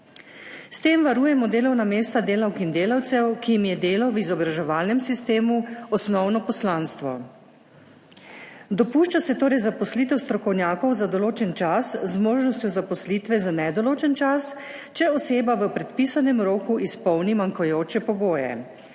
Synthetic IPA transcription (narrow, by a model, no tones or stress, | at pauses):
st̪eːmʋaɾuːjɛmɔd̪eːlɔwnameːst̪ad̪eːlawkind̪eːlawt̪sɛwkijimjɛd̪eːlawʋizɔbɾaʒɛʋaːlnɛmsist̪eːmuɔsnɔwnɔpɔslaːnst̪ʋɔ̰ | d̪ɔpuʃt͡ʃasɛt̪oːɾɛjzapɔslit̪ɛwst̪ɾɔkɔwnʲjaːkɔwzad̪ɔloːt͡ʃɛnt͡ʃaszmoːʒnɔst̪jɔzapɔslit̪ʋɛzanɛd̪ɔloːt͡ʃɛnt͡ʃas | t͡ʃɛɔseːbaʋəpɾɛt̪piːsanɛmɾoːkuʔispɔwnimaŋkɔjoːt͡ʃɛpɔɡoːjɛ̰